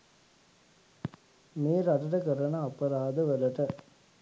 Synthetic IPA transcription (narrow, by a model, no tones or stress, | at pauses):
meːɾɐʈɐʈəkəɾɐnɐːpɐɾaːd̪əʋəlɐʈə